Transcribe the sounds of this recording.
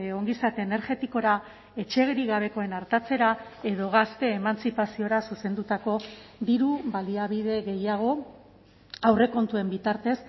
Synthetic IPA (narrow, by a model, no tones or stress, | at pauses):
o̞ŋɡisat̪eːne̞ɾʝe̞t̪iko̞ɾa | e̞t͡ʃe̞ɣɾiɣaβ̞e̞ko̞e̞naɾt̪at͡se̞ɾae̞ð̞o̞ɣast̪e̞ːmant͡sipasio̞ɾasuse̞nd̪ut̪ako̞d̪iɾuβaliaβið̞e̞ɣe̞jaɣ̞o̞ | awre̞ko̞nt̪ue̞mbit̪aɾt̪e̞s